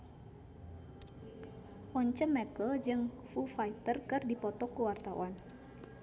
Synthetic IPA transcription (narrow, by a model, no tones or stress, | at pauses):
ʔɔɲt͡ʃəmɛkəld͡ʒɨŋ | fufait̪ərkɨrdipɔt̪ɔkəwart̪awan